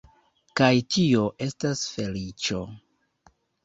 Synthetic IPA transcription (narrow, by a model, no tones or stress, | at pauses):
kajtio̞ʔe̞stasfe̞lit͡ʃo̞